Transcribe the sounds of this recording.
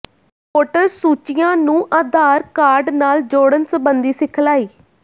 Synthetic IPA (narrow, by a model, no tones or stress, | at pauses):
poːʈəɾsuːt͡ʃɪjãːnũːʔaːd̪ʱaːɾkaːɾɖnaːld͡ʒoːɽənsəbənd̪iːsɪkʰlaːiː